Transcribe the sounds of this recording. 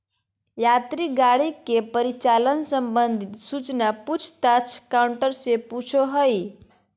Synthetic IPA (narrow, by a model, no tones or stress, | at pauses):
jat̪ɾiɡaɽikepəɾit͡ʃalənsəmbənd̪ʱit̪sut͡ʃnaput͡ʃʰt̪at͡ʃʰkauɳʈəɾseput͡ʃʰoɦəj